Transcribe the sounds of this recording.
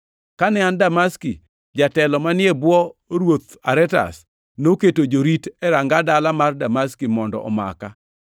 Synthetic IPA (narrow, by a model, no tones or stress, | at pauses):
kanɛandamaski | d͡ʒatɛlɔmanɪebwɔɾwot̪ | aɾɛta̰s | noketod͡ʒoɾitɛɾaŋɡadalamardamaskimɔndɔ̰ʔɔ̰ma̰ka